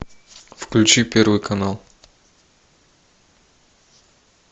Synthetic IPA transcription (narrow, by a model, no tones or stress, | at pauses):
fklʲut͡ʃipɛɾvojkʰanalˠ